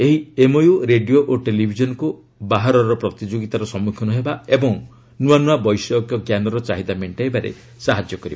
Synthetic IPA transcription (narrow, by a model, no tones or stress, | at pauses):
eɦiemojuɾeɖijoʔoʈelibʱid͡ʒɔnɔku | baɦaɾɔɾɔpɾɔt̪id͡ʒoɡit̪aɾɔsɔmukʰɔnuɦebaebɔŋ | nuanuabɔjsɔkjɔkjanɔɾɔt͡ʃaɦid̪ameɳʈebaɾḛ | saɦad͡ʒjɔkɔɾiba